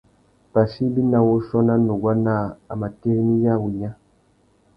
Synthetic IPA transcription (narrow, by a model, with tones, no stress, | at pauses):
pa˨si˦bi˦na˨wo˦ʃɔ˦na˦no˨ɡwa˦na˦˨a̰˨ma˨te˦ɾni˦ja˦˨wu˨ɲa˦